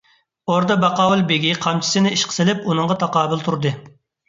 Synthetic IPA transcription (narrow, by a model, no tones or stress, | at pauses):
oɾd̪ɑbɑqɑːwɨlˠbeɡʲiqʰɑmt͡ʃʰi̥sɪnɪiʃqʰə̥sɪlɪpunɨɴʁɑt̪ʰɑqɑːbɪlˠt̪ʰuɾd̪ɨ